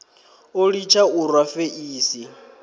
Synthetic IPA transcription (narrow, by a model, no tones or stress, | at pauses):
oɺit͡ʃʰauɾwafeʔiːsi